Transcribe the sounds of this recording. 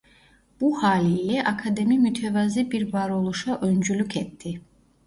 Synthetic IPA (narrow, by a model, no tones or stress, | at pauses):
b̥uhaːliːlɛʔakʰad̪e̞mimyt̪ʰevazibiɾvaɾo̞lˠuʃaʔø̞nd͡ʒylʲycʰɛt̪ːi